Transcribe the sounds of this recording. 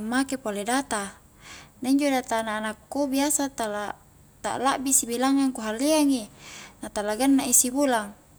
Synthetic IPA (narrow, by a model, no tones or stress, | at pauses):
mːakepoledat̪a | naiɲd͡ʒodat̪anaːnakːubiasat̪ala | t̪a̰ʔlaʔbisibilaŋaŋkuɦalːiaŋinat̪alaɡanːaʔisibulaŋ